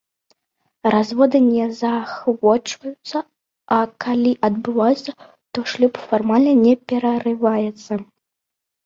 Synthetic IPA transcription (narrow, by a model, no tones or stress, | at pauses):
razvɔd̪ɨnʲɛzaxvɔt͡ʂvɐjut̪sːɐ | ɐkalʲiʔɐd̪̚bɨvajut̪sːɐ | t̪ɔʂlʲupfarmalʲnɐnʲɛpʲɛɾɐrɨvajɛt̪sːɐ